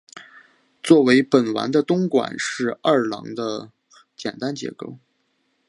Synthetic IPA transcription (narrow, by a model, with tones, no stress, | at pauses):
t͡swɔ˥˩we˧˥ɪpə˨˩nwa̰˧˥nd̪ə˧t̪ʊ˥ŋkwa̰˨˩nʂɻ̩˥˩˧a˥˩lɑ̰˧˥ŋd̪ə˧ | t͡ɕjɛ˨˩nt̪a˥nt͡ɕjɛ̰˧˥ko˥˩ʊ